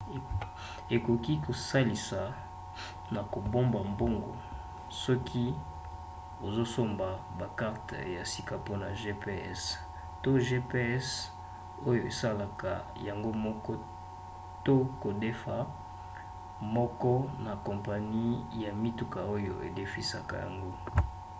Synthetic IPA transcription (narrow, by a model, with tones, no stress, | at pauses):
e˨ko˨ki˦ko˨sa˦li˨sa˨ | na˨ko˨bo˦mba˨mbo˦ŋɡo̰˨ | sɔ˦kʰi˦ | o˨zo˦so˦mba˨ | ba˨ka˦ʁtja˨si˦ka˨po˦na˨ʒe˦pe˦ɛ˦s | to˦ʒe˦pe˦ɛ˦s | o˦jo˨e˨sa˦la˨ka˨ja˨ŋɡo˦mɔ˦kɔ˦ | to˦ko˨de˦fa˨ | mɔ˦kɔ˦na˨ko˨mpa˨ni˦ja˨mi˦tu˨ka˨o˦jo̰˨ʔḛ˨de˦fi˨sa˨ka̰˨ja̰˨ŋɡo˦